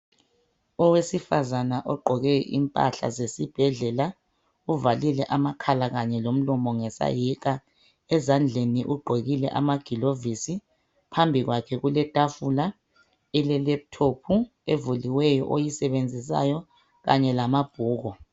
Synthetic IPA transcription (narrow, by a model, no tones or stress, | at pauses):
ɔwesifazanaʔɔɡ͡ǃʱɔɣɛʔḭmpʼa̰ɬa̰zesib̥ʱɛɮɛla | uvalilɛʔamakʰalaɣaɲɛlom̩lɔmɔŋɛsa̰jik̬ʼa | ɛzand͡ɮʱeniʔuɡ͡ǃʱeɣilɛ̰ʔa̰maɡ̥ʱilovisi | pʰambʱiɣwakʰɛɣulɛtʼafula | ɛlɛlɛp̚tʰopʰu | evuliwɛjɔ̰ʔojisɛɓend͡zʱisa̰jɔ | ɣa̰ɲɛlamab̥ʱuːɣɔ